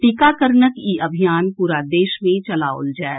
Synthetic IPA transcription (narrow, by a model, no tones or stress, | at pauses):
ʈɪkaːkəɾnəkiːʔɐbʱijaːnpuːɾad̪eːʃmẽt͡ʃɐlaʊ̰ld͡ʒaː